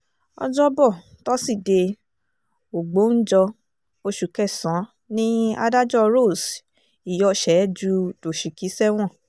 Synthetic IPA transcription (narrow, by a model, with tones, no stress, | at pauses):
ɔ̰˧d͡ʒɔ˦bɔ˦˨ | tɔ˦si˦˨de˧ | o˨ɡ͡bo˨˦n̩˦d͡ʒɔ˧ | o˧ʃu˨kɛ˦˨sã˨˦ | nĩ˦a̰˧da˦d͡ʒɔ˦ɾo˦˨s | i˨jɔ˧ʃɛ˨˦d͡ʒu˧to˨ʃi˨ki˨˦sɛ˦w̃ɔ̃˦˨